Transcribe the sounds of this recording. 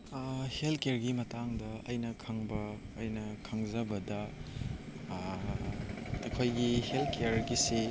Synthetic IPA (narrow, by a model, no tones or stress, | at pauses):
helkeɾɡimɐtaŋdɐɐjnɐkʰɐŋbɐː | jnɐkʰɐŋzɐbɐdɐ | ɐkʰojɡihelkeɾɡise